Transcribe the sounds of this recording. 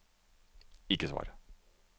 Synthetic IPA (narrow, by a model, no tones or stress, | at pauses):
ikəsʋɑ̰ːɾ